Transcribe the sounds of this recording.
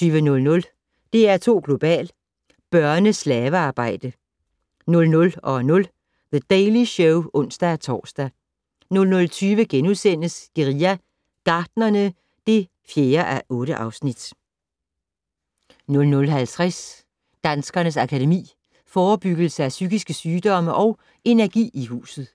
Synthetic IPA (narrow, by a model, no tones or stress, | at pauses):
yːʋənɔ̽lnɔ̽l | d̥e̝æɐt͡sʰo̝̰ːɡ̥lo̝b̥ɛ̰ːl | b̥ɶɐnəslɛːʋəɑ̈ːb̥ɑ̈ɪ̰d̥ə | nɔ̽lnɔ̽lɒ̽nɔ̽l | ðəd̥eɪliɕɔʊʔɔ̽n̰sd̥æt͡sʰɒ̰ːsd̥æ | nɔ̽lnɔ̽lt͡sʰyːʋəɡ̥enusen̰əsɡ̥eʁiæ | ɡ̥ɑ̈ːd̥nɐnə | d̥e̝ | fjeːɐʔæʔɔ̽ːɾəʔɑ̈ʊsnid̥ | nɔ̽lnɔ̽lɦælt͡sʰʁɛs | d̥ænsɡ̥ɐnəsɑ̈kʰæde̝mḭː | fɒːb̥yɡ̥l̩səæsyɡ̥isɡ̥əsyːd̥ɒ̽məʔɒ̽ʊ | ʔe̝næɐɡ̥ḭːiɦṵːsð̩ˠ